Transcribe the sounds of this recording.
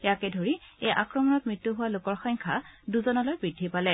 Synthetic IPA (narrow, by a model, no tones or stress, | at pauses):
ɛakɛdʱoɹiejʔakɹɔmɔnɔt̚mɹitːuɦʊwalʊkɔɹxɔjŋkʰaduzɔnɔlojbɹidʱːipalɛ